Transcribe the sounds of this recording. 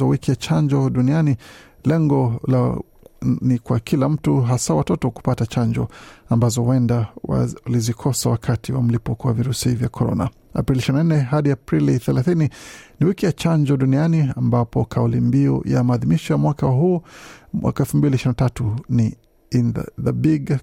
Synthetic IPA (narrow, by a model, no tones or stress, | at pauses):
awikijat͡ʃaɲd͡ʒɔɗuniani | lɛŋɡɔla | nikwakʰilam̩tuɦasawatɔtɔku̥patat͡ʃaɲd͡ʒɔambazɔwɛndawa̰lizikʰɔsawakʰatiwa̰m̩lipɔkɔwa̰viɾusivjakʰɔɾɔ̰na̰ | a̰pɾiliʃiɾinanɛɦaɗiapɾiliθɛlaθininiwikijat͡ʃaɲd͡ʒɔɗunianiambapɔkaulimbiɔ̰ja̰maːðimiʃɔjamwakawaɦuːmwʔa̰kaɛlfumbiliʃɾinatatuni | in̰ðabiɡ